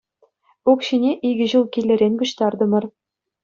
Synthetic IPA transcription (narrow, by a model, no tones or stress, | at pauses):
ukɕinʲeʔiɡʲɘ̆ʑɯlˠkʲilʲːɘ̆ɾʲenʲkuɕt̪ɑrd̪ɤ̆mɤ̆r